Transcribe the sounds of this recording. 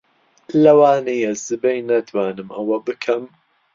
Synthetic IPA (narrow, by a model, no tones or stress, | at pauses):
lɐwaːnejɐzɨbejnɐt̪waːnɨmʔɐwɐbɨkʰɐm